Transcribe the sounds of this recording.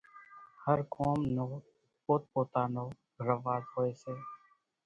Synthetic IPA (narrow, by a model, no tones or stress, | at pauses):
həɾkʰoːmnoː | poːt̪̚poːt̪aːnoː | ɾəʋaːzhoːeːseː